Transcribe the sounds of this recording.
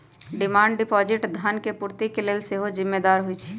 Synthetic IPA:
ɖɪmaːɳɖɖɪpɔːd͡ʒɪʈd̪ʱənkepuɾt̪ikeleːlseɦod͡ʒɪmːed̪aːɾɦʊit͡ʃʰi̥

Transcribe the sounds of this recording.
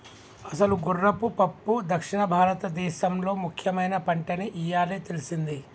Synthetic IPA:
ɐsɐluɡurːɐpupɐpːud̪ɐkʂiɳɐbʱaːɾɐt̪ɐd̪ɛːʃɐmlo̞ːmukʰjɐmɐjnɐpɐɳʈɐniʔijaːlit̪elisind̪i

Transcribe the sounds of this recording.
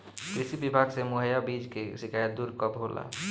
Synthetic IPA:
kɾisibibʱaɡsemoɦəjabid͡ʒkesikajət̪̚d̪uɾkɔbɦolʔa̰

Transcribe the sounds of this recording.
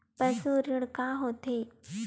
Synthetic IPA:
pəsuɾiɽkaɦoːt̪e

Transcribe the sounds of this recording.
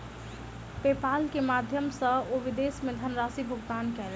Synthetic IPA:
pepalkemad̪ʱjəmsə̃oʋid̪esmed̪ʱənɾasibʱuɡd̪ankɛl

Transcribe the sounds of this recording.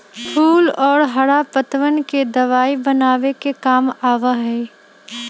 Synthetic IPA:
pʰuːlɔːɾɦɐɽapət̪ʋənked̪ɐʋaːibɐnaːʋekekaːmaːʋaɦɛː

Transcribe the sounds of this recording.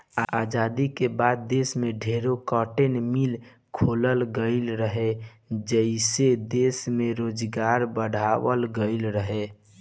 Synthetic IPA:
aad͡ʒad̪ikebad̪̚ːesmeɖʱeɾokɔʈenmil | kʰoləlɡəɪlɾəɦe | d͡ʒəɪsed̪esmeɾod͡ʒɡaɾbəɽ̤ʱaʋəlɡəɪlɾəɦe

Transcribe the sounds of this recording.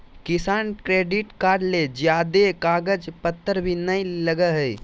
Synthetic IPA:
kɪsaːnkɾeːɖɪʈkaːɾɖled͡ʒjaːd̪ekaːɡəd͡ʒpət̪ʰːəɾbʱinəiləɡəɦəi

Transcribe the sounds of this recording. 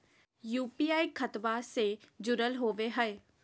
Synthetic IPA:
juːpiːaːikʰət̪based͡ʒʊɾəlɦoːʋeɦəeː

